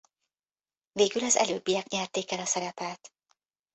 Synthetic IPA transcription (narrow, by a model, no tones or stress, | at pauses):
veːɡylɒzɛ̰løːbːijɛkɲɛrt̪eːkɛlɒsɛɾɛpɛlt̪